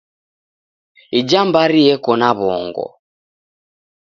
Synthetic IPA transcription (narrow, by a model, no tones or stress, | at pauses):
id͡ʒambaɾiɛkɔnaβɔːŋɡɔ̰